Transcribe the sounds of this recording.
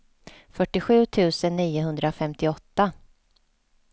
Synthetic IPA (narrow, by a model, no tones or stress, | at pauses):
fœʈːɪɧʉ̟ːt̪ʰʉ̟ːsənːiːʊɦɵnd̪ɾafɛmt̪ɪɔt̪ːa